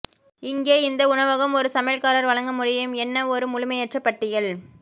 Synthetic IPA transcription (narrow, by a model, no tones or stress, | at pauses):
ɪŋɡeːɪnd̪ɐʊɳɐʋɐɣɐmɔɾɯsɐmeːlkaːɾɐɾʋɐɭɐŋɡɐmʊɽɪjɯmɛnːɐɔɾɯmʊlʊmɐɪɛʈrɐpːɐʈːɪjɐɭ